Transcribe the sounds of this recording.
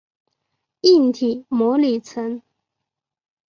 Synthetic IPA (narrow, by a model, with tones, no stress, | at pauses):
i˥˩nt̪ʰi˨˩mwɔ˧˥li˨˩t͡sʰə˧˦n